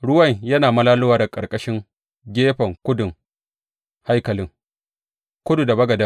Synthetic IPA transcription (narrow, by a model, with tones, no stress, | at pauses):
ɽʊ˦wɐ˦˨ɲjɐ˦naː˨mɐ˦laː˦lʊ˦waː˨da˨kʼɐ˨ɾkʼɐ˦ʃɪ˦ŋ | ɡʲeː˦ɸɐ˨ŋkʷʊ˦dʊ˨ŋ | ha˦jkɐ˨lɪ˦ŋ | kʷʊ˦du˨da˨bɐ˦ɡɐ˨da˦